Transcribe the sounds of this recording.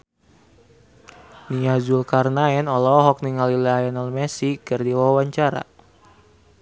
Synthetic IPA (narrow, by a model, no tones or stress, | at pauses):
niazulkarnaɛnɔlɔɦɔk̚niŋalilaaɛnɔlmɛsikɨrdiwawaɲt͡ʃaɾa̰